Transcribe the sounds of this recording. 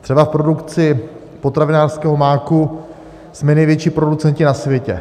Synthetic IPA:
t̪r̥ɛbafpɾo̞dukt͡sɪ | po̞t̪ɾavɪnaːrskɛːɦo̞maːku | smɛnɛjvjɛt͡ʃipɾo̞dut͡sɛncɪnasvjɛcɛ̰

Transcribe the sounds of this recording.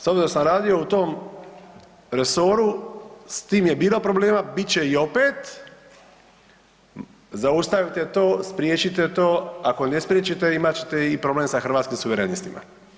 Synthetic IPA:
sobzeɾosamɾaːd̪io̞ut̪o̞ːm | ɾe̞so̞ɾust̪iːmje̞biːlo̞pɾo̞bleːmabit̪t͡ɕe̞io̞peːt̪ | zaust̪aʋit̪et̪o̞ːspɾʲjeːt͡ɕit̪et̪o̞ːako̞ne̞spɾjet͡ɕit̪eimat͡ɕe̥t̪eipɾo̞bleːmsaxɾr̩ʋaːt̪skimsuʋeɾenist̪imʔa̰

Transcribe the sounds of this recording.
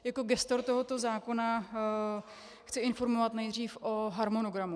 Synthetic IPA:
jakoɡɛst̪oɾt̪oɦot̪ozaːkona | xt͡sɪɪnfoɾmovat̪nɛjd̪r̝iːfʔoɦaɾmonoɡɾamu

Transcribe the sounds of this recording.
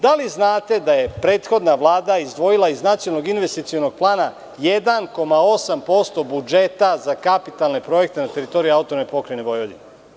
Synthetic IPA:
d̪aliznaːt̪e̞d̪aje̞pɾe̞ːt̪xo̞d̪naʋlˠaːd̪aizd̪ʋo̞jilaiznat̪sioalˠnoɡinʋest̪it̪sijono̞ɡ̚plˠaːna | jed̪anko̞mao̞sampo̞st̪o̞bud͡ʒe̞t̪azakapit̪alˠne̞pɾo̞je̞k̚t̪enat̪e̞ɾit̪o̞ɾiaut̪onmepo̞kɾajneʋo̞jʋod̪in

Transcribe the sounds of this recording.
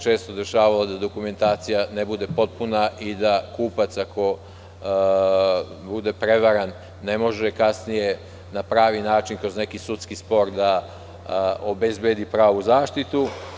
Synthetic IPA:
t͡ʃe̞ːst̪o̞d̪e̞ʃaːʋalad̪ad̪okume̞nt̪aːt̪sijanebud̪e̞po̞t̪̚punaʔid̪akuːpat̪sako̞ | bud̪e̞pɾe̞ʋaɾanː | e̞mo̞ʒekasnije̞ | napɾaːʋinaːt͡ʃinkɾozne̞kisut̪skispo̞ɾd̪a | obe̞zbjed̪ipɾaːʋuzaːʃt̪it̪u

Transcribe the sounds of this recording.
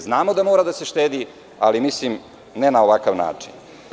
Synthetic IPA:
znaːmo̞d̪amoːɾad̪ase̞ʃt̪eːd̪i | alimislim | nenao̞ʋakaʋna̰ːt͡ʂḭn

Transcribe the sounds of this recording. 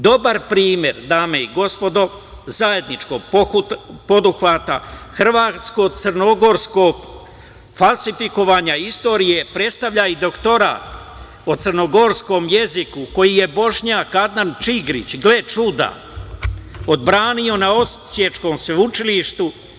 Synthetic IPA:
d̪o̞baɾpɾiːmje̞ɾd̪aːme̞iɡo̞spo̞d̪o̞ | zaje̞d̪nit͡ʃko̞ɡ̚ppo̞d̪uxʋat̪axr̩ʋaːt̪sko̞ɡt̪sərno̞ɡo̞ɾskoɡ | falˠsifiko̞ʋaːɲaist̪o̞ːɾije̞pɾe̞t̪st̪aʋʎaid̪o̞kt̪o̞ɾa̰ːt̪ | ot̪sɨrno̞ɡo̞ɾsko̞mje̞zikuko̞jije̞bo̞ʃɲaːkad̪nant͡ʃiɡɾḭt͡ɕɡle̞t͡ʃud̪a̰ | o̞d̪̚bɾaːnio̞nao̞ssje̞t͡ʃko̞msʋeut͡ʃiliʃt̪u

